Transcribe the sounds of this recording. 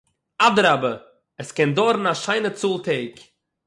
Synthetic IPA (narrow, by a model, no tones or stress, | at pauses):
adəɾabə | ɛskɛndɔɾn̩aʃaɪnət͡suːlˠtʰeɪk